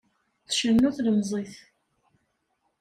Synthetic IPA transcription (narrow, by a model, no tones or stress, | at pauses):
θʃənːuθləmzˤiθ